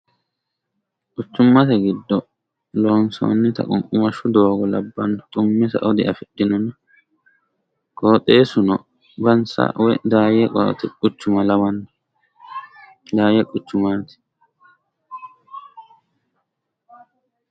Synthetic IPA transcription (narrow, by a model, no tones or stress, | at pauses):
kʼʊt͡ʃːʊmːɐt̪ɛɡɪd̪ːɔ | loːnso̰nːɪt̪ɐ̰kʼʊŋkʼʊmɐʃːʊd̪o̞ːɡɔlɐbːɐnt̪ʼʊmːɛsɐ̰ʔɔd̪ɪʔɐfɛɗɪnɔnɐ | koːt̪ʼe̞ːsʊnɔ | bɐnsɐ̰wɛd̪aːjɛkʼɔ̰t̪ɛkʼʊt͡ʃːʊmɐlɐwɐnː | d̪aːjɛkʼʊt͡ʃːʊmaːt̪ɪ̥